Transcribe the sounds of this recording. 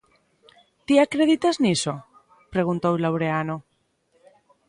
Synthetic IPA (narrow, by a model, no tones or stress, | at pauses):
t̪iakɾeðit̪azniso | pɾe̞ɣ̞unt̪owlawɾeano